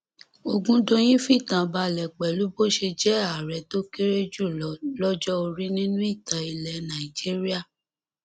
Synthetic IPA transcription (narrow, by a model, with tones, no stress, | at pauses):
o˧ɡũ˦dõ˧j̃ĩ˦fi˦˨tã˨ba˧˦lɛ˨k͡pɛ˨lu˨˦bo˦ʃe˧d͡ʒɛ˦a˨ɾɛ˨to˦ke˦ɾe˦d͡ʒu˦˨lɔ˨˦lɔ˦d͡ʒɔ˦o˧ɾi˦nĩ˦nũ˦i˦˨ta˨i˧lɛ˨nã˨i˨d͡ʒi˦ɾi˦a˦˨